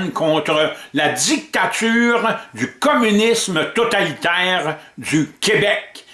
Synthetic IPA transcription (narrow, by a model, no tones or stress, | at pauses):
nkʰɔ̃ːt̪ʁəlad̪ik̚t̪at̪yːʁd̪ykɔmynismət̪ɔt̪alit̪ɛːʁd̪ykʲebɛk